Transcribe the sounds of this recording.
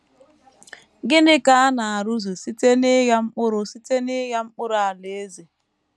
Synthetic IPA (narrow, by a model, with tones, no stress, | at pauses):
ɡɪ˦nɪ˦ka˦a˦na˨a˨ɾu˦zu˨si˦te˦nɪ˦ɣa˦ŋ͡m̩˦k͡pʊ˦ɾʊ˦si˦te˦nɪ˦ɣja˦ŋ͡m̩˦k͡pʊ˦ɾa˨le˨e˦ze˨